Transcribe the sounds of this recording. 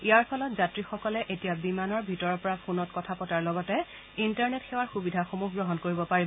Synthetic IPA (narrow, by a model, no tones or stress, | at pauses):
ijaɹpʰɔlɔtzatɹixɔkɔlɛʔetijabimanɔɹbʱitɔɹɔɹpɔɹapʰunɔtkɔtʰapɔtaɹlɔɡɔtɛ | intaɹnetxewaɹxubidʱaxomuɦɡɹɔɦɔnkoɹibɔpaɹibɔ